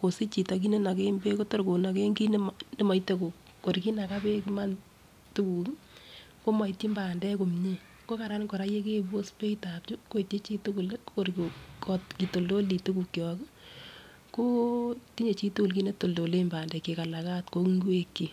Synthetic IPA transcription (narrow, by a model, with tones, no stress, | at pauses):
ko˨si˦t͡ʃi˨ta˨k̬i˦ne˦na˨ke˦mbe˦ko˦to˦ɾko˨na˨ke˦ŋɡi˦n˦mnɪ˦ma˨ite˦ku˨ | ko˨ɾki˦na˨ka˦pe˦ki˦ma˦n | tu˦ku˨ | ko˦ma˨i˨ti˦mba˨ndɛ˦ko˨mɲe˦ | ko˦ka˨ɾa˦n˦ko˨ɾa˦je˦ke˦˨bo˦spe˦i˦ta˨pt͡ʃu˦ko˦˨te˦t͡ʃi˦tu˦ku˨lko˦ɾkkɔ˦tki˨to˨ldo˦li˨tu˦ku˨kːɔ˨k | ko˦ti˦ɲe˨t͡ʃi˦tu˦ku˨lki˦ne˦to˨ldo˨le˦mbaː˨ndɛ˨ke˨ka˨la˨ka˦tko˦kiŋɡu˦e˦kːi˨